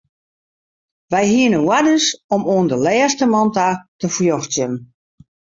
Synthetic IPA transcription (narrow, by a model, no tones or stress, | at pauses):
ʋɛjhiənənwadəsɔmoəndəlɛːstəmɔntatəfljoxt͡sjən